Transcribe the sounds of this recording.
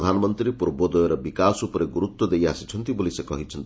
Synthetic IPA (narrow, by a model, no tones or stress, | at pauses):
d̪ʱanɔmɔnt̪ɾipuɾbɔd̪ɔjɔɾɔbikasupɔɾeɡuɾut̪ːwɔd̪ejasi̥t͡ʃʰɔnt̪ibolisekɔ̰ɦit͡ʃʰɔnt̪i